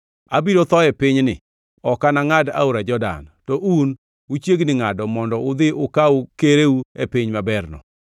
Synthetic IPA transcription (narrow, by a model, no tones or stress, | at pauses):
abiɾot̪ɔɛpɪɲnɪ̰ | ɔkanaŋada̰oɾad͡ʒɔda̰ntɔʔun | ut͡ʃjeɡnɪŋadɔmɔndɔʊd̪ɪʔʊkaukeɾeuepɪɲmabɛrnɔ̰